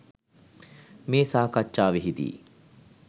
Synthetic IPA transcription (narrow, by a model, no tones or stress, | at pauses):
meːsaːkat͡ʃːaːʋiɦid̪ḭː